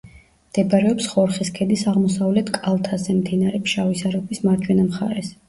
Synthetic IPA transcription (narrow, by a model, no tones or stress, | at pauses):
md̪̥ɛbaɾɛɔpsχɔɾχiskʰɛd̪isaʁmɔsavlɛt̪ʰkʼalˠt̪ʰazɛmd̪inaɾɛpʃavisaɾɔpʰwismaɾd͡ʒʰwɛnamχa̰ɾɛs